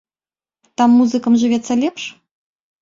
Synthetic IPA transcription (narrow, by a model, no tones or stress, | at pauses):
t̪amːuzɨkɐmʐɨvʲɛt̪sːɐlʲɛpʂ